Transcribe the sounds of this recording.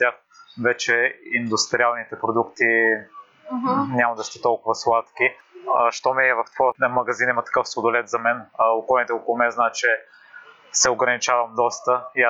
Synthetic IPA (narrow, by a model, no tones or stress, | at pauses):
t̪ʲjax | vɛt͡ʃɛind̪ʊst̪ɾialˠnit̪ɛpɾod̪ukt̪i | nʲamɐd̪ɐst̪ɛt̪ɔlˠkʊvɐslˠat̪ki | əʃt̪ɔmiɛvɐft̪vɔət̪nəmɐɡɐzinimɐt̪ɐ̥kɤfsod̪ʊlɛt̪zɐmɛnokɔlˠnit̪ɛɔkolˠʊmɛznaɛt͡ʃɛ | sɛʊɡɾɐnit͡ʃavɐmd̪ɔst̪əia